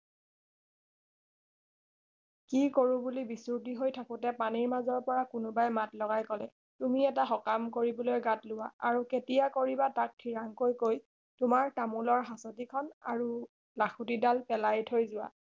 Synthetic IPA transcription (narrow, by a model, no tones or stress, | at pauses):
kikoɹʊbulibisut̬iɦojtʰakʊtɛpaniɹmazɔɹpɔɹakʊnʊbajmatlɔɡajkɔlɛ̰ | tumiɛtaxɔkamkoɹibɔlojɡatlʊwaaɹuketijakoɹibatak̚tʰiɹaŋkojkoj | tʊmaɹtamulɔɹɦasɔtikʰɔna̰ɹu | laxʰut̬idalpɛlajtʰojzʊwa̰